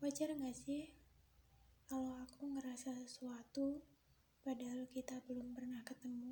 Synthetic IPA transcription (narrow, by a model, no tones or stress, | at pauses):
wad͡ʒarŋɡasɪh | kalawakuŋəɾasassuat̪u | padaɦalkit̪abəlʊmpərnahkət̪əmu